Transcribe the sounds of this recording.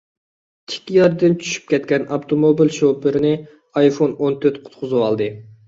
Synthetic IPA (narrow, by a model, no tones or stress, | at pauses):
t̪ʰɪ̥kʲːijɑɾd̪ɨnt͡ʃʰy̥ʃy̥p̚kʲɛt̪kʲɛnɑpt̪ʰomobilʃopɨɾɪnɪ | ɑjfonont̪ʰøɾt̪qʰʊ̥t̪qʰʊzɨwɑlˠd̪ɨ